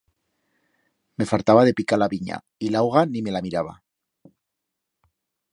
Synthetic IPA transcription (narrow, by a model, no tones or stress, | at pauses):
me̞falt̪aβað̞e̞pikalaβiɲa̰ | ilawɣ̞anime̞lamiɾaβ̞a̰